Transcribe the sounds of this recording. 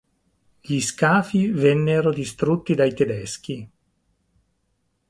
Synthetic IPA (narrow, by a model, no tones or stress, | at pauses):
ʎiskaːfivɛnːeɾod̪ist̪ɾut̪ːid̪ajt̪ed̪ɛsk̟i